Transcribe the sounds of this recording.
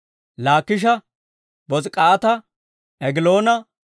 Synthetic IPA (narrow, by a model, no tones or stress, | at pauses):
laːkːɪʃ̬ɐ | bɔzkʼaːt̪ɐ | ʔɛɡɪlo̞ːnɐ